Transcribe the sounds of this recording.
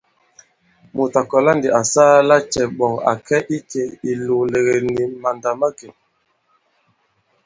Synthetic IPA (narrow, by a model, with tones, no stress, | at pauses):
mu˨ta˨kɔ˨la˦ndi˨ʔa˨saː˦la˦t͡ʃɛ˨ɓɔ˨ŋa̰˨kɛ˦ʔi˦t͡ʃe˨i˨lu˨le˨ɣe˨ni˨ma˨nda˨ma˦ke˨